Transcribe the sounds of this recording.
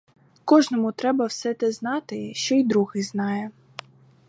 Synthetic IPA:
kɔʒnɔmʊt̪ɾɛbɐwsɛt̪ɛznɑt̪ɪʃt͡ʃɔid̪ɾuɣɪznɑjɛ

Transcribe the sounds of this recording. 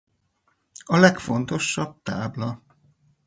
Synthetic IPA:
ɒlɛkfo̞nt̪o̞ʃːɒb̚t̪aːblɒ

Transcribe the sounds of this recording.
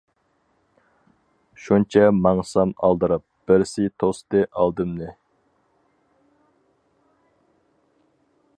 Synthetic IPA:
ʃunt͡ʃʰɛmɑŋsɑmɑ̰lˠd̪ɨɾɨp̚b̥ɪɾsit̪ʰost̪ɨʔɑlˠd̪ɨmnɨ

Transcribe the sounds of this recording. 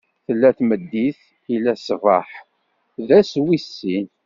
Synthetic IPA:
θəlːæθməd̪ːiθ | ilæsva̰ħ | ðæswisːin

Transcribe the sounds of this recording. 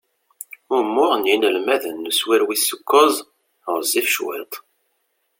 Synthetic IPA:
ʊmːʊʁənjinəlmæðənːuswɪɾwisukːozˤ | ʁəzːifʃwɪ̰t̪ˤ

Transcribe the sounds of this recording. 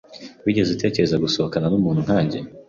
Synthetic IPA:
wiɟe̞zite̞ːce̞ɾe̞zaɡuso̞hokananumuːnhun̥haːɲɟe̞

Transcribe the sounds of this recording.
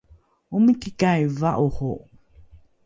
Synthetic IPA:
uməkikajvaʔuhu

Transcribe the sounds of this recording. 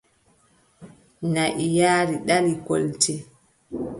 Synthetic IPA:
naʔijaːɾiɗaliko̰lti

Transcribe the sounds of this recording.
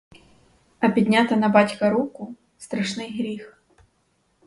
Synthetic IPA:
ɐpʲid̪ʲnʲat̪ɐnɐbatʲkɐɾukʊ | st̪ɾɐʂnɨjɣɾʲix

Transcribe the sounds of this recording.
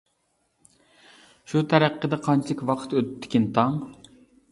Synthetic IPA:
ʃut̪ʰæɾæqːəd̪ɛqʰɑnt͡ʃʰɪkʲwɑqʰə̥t̪øt̪t̪ʰːɪ̥kʲint̪ʰɑŋ

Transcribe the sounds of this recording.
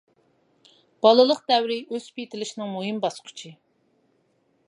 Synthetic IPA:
b̥ɑlˠɨlˠəqd̪ɛwɾɪʔøzpit̪ʰɪlɪʃinɪŋmoɦimbɑsqʰʊ̥t͡ʃʰi

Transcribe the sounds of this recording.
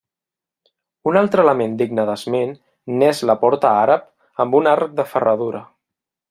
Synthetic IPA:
unalˠt̪ɾələmend̪iɡnəðəzmenː | ɛzləpɔɾt̪əaɾəp̚ | əmbunaɾk̚d̪əfərəð̞uɾə

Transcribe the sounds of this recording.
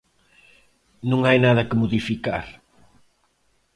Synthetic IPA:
nũŋajnaðɐkɪmoðifika̰ɾ

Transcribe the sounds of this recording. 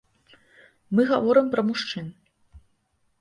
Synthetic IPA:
mɨɣavɔɾɨmpɾɐmuʂt͡ʂɨn

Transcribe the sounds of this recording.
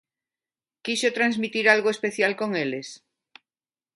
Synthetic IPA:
kisot̪ɾanzmit̪iɾalɣoespeθjalkoŋeles

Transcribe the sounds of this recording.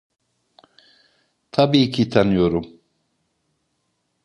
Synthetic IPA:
t̪ʰabiːcʰit̪ʰanɯjo̞ɾum

